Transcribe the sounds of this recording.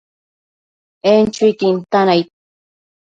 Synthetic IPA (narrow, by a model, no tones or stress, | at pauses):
ent͡ʃʊjt̪int̪anajt̪̚